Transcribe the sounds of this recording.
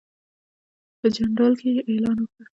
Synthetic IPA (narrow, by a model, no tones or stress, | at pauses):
pəd͡ʒaɳɾɑlkeʔelɑnwokɽa